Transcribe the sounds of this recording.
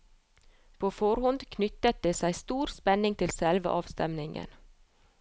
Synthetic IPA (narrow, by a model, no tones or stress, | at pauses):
pʰoːfɔɾhɔnd̪kʰnʏt̪ət̪̚d̪eːsæɪst̪uːɾspɛnɪŋt̪ʰɪlsɛlʋə̰ʔɑːʋst̪ɛmnɪŋə̰n